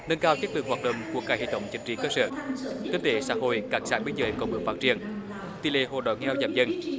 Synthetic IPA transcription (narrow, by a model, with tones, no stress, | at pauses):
ŋə˧nkaː˧wt͡ɕə˦˥k̚ɨ˨˩əhwaː˨˩t̚ɗə̰˧˨wŋ͡mku˧˩əkːaː˧˩jhḛ˧˨t̪ə̰˧˩wŋ͡mt͡ɕï˧˩ŋ̟t͡ɕi˧˨˩kəː˧sə̰ː˧kəː˨˦t̪e˧˩saː˧˥ɦo̰˧˨jkaː˧˩ksaː˧˥ɓi˧˦nzəː˧˦jkɔ˧˩ɓɨ˨˦ŋfaː˦˥t̚t͡ɕi˧˩ən | t̪i˨˧˩lḛ˧˩ɦo̰˧˨˩ɗɔ̰˧˨˩nŋɛ˧wzaː˧˩mzə˧n